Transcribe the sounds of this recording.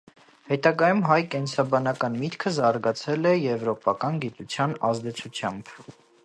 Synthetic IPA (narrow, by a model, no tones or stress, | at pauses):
hɛt̪ɑɡɑjumɦɑjkɛnsɑbɑnɑkɑnmit̪kʰəzɑɾɡɑt͡sʰɛlɛjɛvɾɔpɑkɑnɡit̪ut͡sʰjɑnɑ̰zd̪ɛt͡sʰut͡sʰjɑmb̥